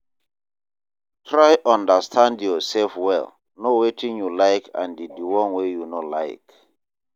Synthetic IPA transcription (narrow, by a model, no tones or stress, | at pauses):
tʰɹajʔɔ̃ndəstʰãndjɔsɛlfwɛ̰l | nowetʰĩŋjulaɪkʰã̰ndidiwɔ̃nwejunola̰ɪk